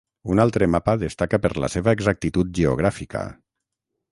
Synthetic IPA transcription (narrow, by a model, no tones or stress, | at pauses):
unalˠt̪ɾəmapaðest̪akapəɾla̰seβaeɡzak̚t̪it̪ut̪̚ʒeo̰ɣ̞ɾafika̰